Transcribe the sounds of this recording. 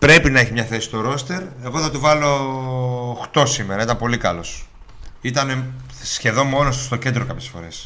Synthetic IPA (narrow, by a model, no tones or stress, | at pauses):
pɾe̞pinɐeçimɲɐθe̞si̥st̪o̞ɾo̞st̪e̞ɾe̞ɣo̞θɐt̪ivɐlo̞ | xt̪o̞sime̞ɾɐit̪ɐmpo̞likɐlo̞s | it̪ɐne̞ | sçe̞ðo̞mmo̞nosst̪o̞ce̞nd̪ɾo̞kɐpçesfo̞̰ɾe̞s